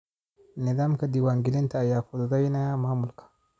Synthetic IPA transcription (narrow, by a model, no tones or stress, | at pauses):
nedamkadiwaŋɡilentaːjakudɡajinajamamulkḁ